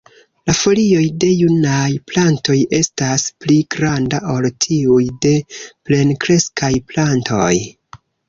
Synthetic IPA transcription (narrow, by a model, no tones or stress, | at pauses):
lafo̞lio̞jde̞junajplanto̞je̞staspliɡɾandaʔo̞ltʰiujde̞ple̞nkɾe̞skʰajplantʰo̞j